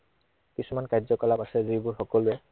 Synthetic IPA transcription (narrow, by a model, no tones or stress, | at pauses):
kisumankajzɔkɔlapasɛzibʊɹxɔkɔlʊɛ